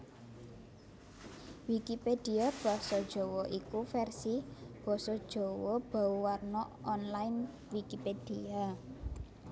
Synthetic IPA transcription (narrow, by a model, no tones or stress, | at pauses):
wikiped̪̥iab̥ɔ̤sɔd̥ʒ̥o̤wɔʔikufɛrsib̥ɔ̤sɔd̥ʒ̥o̤wɔb̥a̤uwarnɔɔnlajn | wikiped̥ia